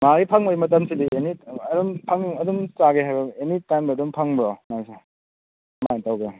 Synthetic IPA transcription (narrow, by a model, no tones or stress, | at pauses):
maɡipʰaŋojmɐt̬ɐmsidiʔeniɐdumpʰaŋniŋɐdumt͡ʃaɡeɦajbɐenitajmdɐːdumpʰaŋbɾomajse | matawɡe